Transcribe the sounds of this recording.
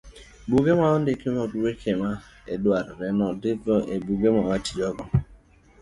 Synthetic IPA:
buɡemaʊdɪkemɔduwekʰemaḛduaɾɪɾenɔdɪbɔʔebuɡemɔat͡ʃi̥d͡ʒɔɡɔ

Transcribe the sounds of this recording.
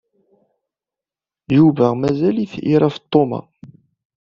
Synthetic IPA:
juvæmæzæliθiɾˤɑft̪ˤːomɑ̰

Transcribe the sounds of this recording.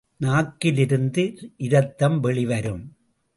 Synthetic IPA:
naːkːɪlɪɾɯnd̪ɯʔɪɾɐt̪ːɐmʋɛɭɪʋɐɾɯm

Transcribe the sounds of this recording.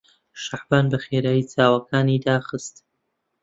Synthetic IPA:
ʃaħbaːnbɐχeːɾaːjit͡saːwɐkʰaːniːd̪aːχɨst̪

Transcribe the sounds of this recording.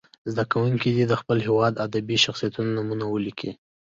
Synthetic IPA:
zd̪akawuŋkid̪id̪əxpəlɦewɑd̪ad̪abiʃaxsijat̪unanamunawəlikʰi

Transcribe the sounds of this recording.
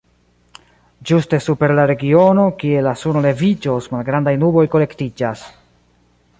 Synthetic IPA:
d͡ʒuste̞supe̞ɾlaɾe̞ɡio̞no̞kie̞lasunole̞vid͡ʒo̞smalɡɾandajnubo̞jko̞le̞ktid͡ʒas

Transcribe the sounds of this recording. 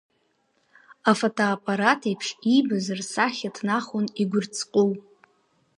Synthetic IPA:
afotʰoapʼaɾatʰejpʰʂibazɨrsaχʲatʰnaχʊniɡʷʊrt͡sʰʼqʼʊl

